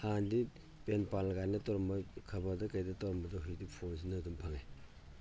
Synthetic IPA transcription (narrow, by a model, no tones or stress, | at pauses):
handi | penpalɡajnɐtɔɾɔmbɐkʰɐbɐdɐkɐjdɐtawɾɐmbɐdɐɦidipʰons̬inɐdumpʰaŋe